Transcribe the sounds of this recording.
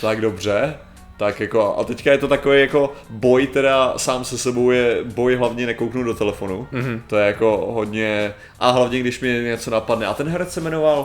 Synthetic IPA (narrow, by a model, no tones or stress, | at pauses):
t̪aɡdo̞br̝ɛ | t̪akjako̞aʔa̰t̪ɛckajɛt̪o̞t̪akovejako̞bo̞jt̪ɛɾasaːmsɛsɛbo̞wjɛbo̞jɦlavɲɛnɛkowknudot̪ɛlɛfo̞nut̪ojɛjako̞ɦod̪ɲɛ | ʔaɦlavɲɛɡdɪʃmɲɛɲɛt͡so̞napadnɛʔat̪ɛnɦɛɾɛsɛmɛnoval